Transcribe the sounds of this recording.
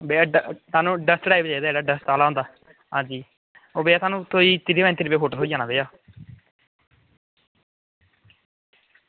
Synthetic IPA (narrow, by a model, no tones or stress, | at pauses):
beːt̪aːnũːɖəstɖaːibd͡ʒaːiːd̪aeːɖaːɖəst̪aːlaːõnd̪aː | ɦãːd͡ʒiː | oːbeːaːt̪ʰaːnũːt̪ʰoːiːt̪ɪɾiːɛ̃ːnt̪ɪɾiːbeːɦoːʈəloːid͡ʒaːnaːbeːjaː